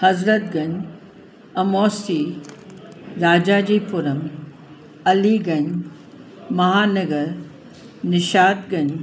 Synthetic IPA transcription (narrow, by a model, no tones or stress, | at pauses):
hɐzɾət̪̚ɡɐɲ | ɐmoːsi | ɾaːd͡ʑaːd͡ʑiːpʊɾəm | ɐliɡɐɲ | mɐɦaːnɐɡəɾ | nɪʃaːt̪ɡɐɲ